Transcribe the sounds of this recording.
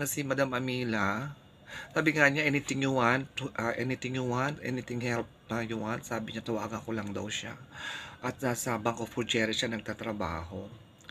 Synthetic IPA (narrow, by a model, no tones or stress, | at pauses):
nɐsɪmɐd̪amʔɐmiːlɐ | saːbɪŋaɲaʔɪnɪt̪ɪŋjʊwanʔaʔɛnɪt̪ɪŋjʊwanʔɛ̰nɪt̪ɪŋhɛlp̪̚ɐjʊwansaːbɪɲat̪ɐwa̰ːɡɐŋkolɐŋd̪ɐ̰wʃa̰ʔɐt̪̚naːsɐbaŋkofʊd͡ʒɛːɾɛʃanɐɡ̚t̪at̪ɾɐba̰ːɦo̞